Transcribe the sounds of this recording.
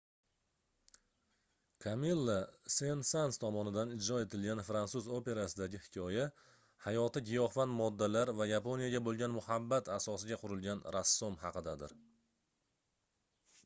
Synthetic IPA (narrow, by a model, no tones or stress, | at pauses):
kʰamilˠːasensanst̪ʰɒmɒnɪd̪anɪd͡ʒɾɒe̞t̪ʰɪlɡʲanfɾansuzo̞pe̞ɾasɪd̪aɡʲɪhɪ̥kʲʰɒja | hajɒt̪ɪɡʲɪjɒhfanmɒd̪ːalaɾvajapo̞nijaɡʲabolˠɡʲanmʊhabːat̪ʰasɒsɪɡʲaqʰʊɾɪlɡʲanɾasːomhɑqɨd̪ad̪ɪɾ